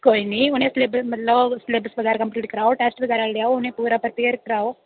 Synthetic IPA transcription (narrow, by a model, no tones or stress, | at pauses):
kojniunesleːbmɐd̪lɐsleːbsbɐɡaːɾkɐmpliːʈkɾaːwʈeːsʈbɐɡaːɾaːlɖɐjaːʋunepuːɾɐpɾɐt̪iɐɾkɾaːw